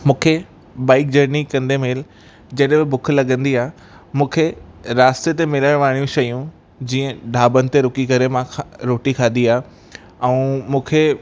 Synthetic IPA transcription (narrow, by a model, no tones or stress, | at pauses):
mũːkʰe | baːɪk̚d͡ʑɐɾnikɐ̃nd̪emeːl | d͡ʑɐɗɦbɪbʊkʰlɐɠə̃nd̪iaːɦ | mũːkʰeɾaːst̪et̪̬emɪləɽ̃ʋaːɽ̃jũʃɐjũ | d͡ʑĩːə̃ɖʱaːbənɪ̆t̪eɾʊkikɐɾemãɾoːʈikʰaːnd̪iaːɦ | ɛ̃umũːkʰe